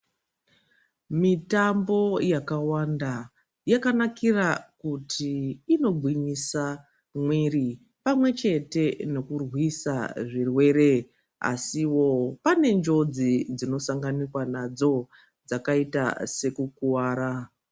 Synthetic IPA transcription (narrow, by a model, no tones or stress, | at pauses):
mitambo̞jakawanda | jakanakirakutʰiːno̞bʱwiɲisa | mwiri | pamwe̞t͡ʃe̞te̞no̞kurwisaʐirwe̞ɾe̞ | a̰siwo̞pane̞nd͡ʒo̞d͡zid͡zino̞saŋɡanikwanad͡zo̞ | d͡zakaita̰se̞kukuwaːɾa